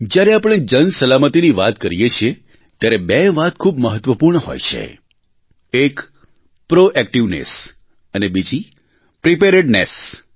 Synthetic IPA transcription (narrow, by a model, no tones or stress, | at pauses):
d͡ʒjaɾeapəɽ̃ed͡ʒənsəlamət̪iniʋat̪kəɾijet͡ʃʰie | t̪jaɾebeʋat̪̚kʰubməɦət̪ʋəpuɾɳəɦo̰jt͡ʃʰḛ | ek | pɾoʔɛk̚ʈiʋnḛs | ənebid͡ʒi | pɾipeɾeɖnes